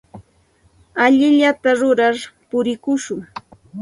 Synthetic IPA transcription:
aʎɪʎat̪aɾʊɾaɾpʊɾɪkʊʃʊŋ

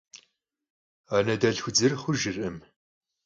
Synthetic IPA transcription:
aːnɐdɐɮxʷʊd͡zɨrχʷʊʒɪrɨm

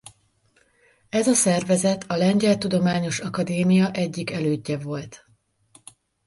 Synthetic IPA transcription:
ɛzɒsɛrvɛzɛt̪ʰɒlɛɲɟɛlt̪ud̪o̞maːɲo̞ʃɒkɒd̪eːmijɒʔɛɟːikɛløːɟːɛvo̞lt̪

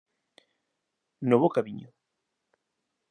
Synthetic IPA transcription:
noβokaβiɲo

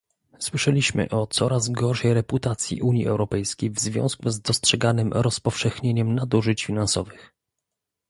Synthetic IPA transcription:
swɘʂɛlʲiɕmɘ̰ʔɔt̪sɔɾazɡɔɾʂɛjɾɛput̪at̪sʲjḭʔuɲiʔɛ̰wɾɔpɛjskʲejvzvʲjɔ̰̃w̃skuzd̪ɔstʂɛɡanɘmɾɔspɔfʂɛxɲeɲɛmnad̪uʐɘt͡ɕfʲinansɔvɘx

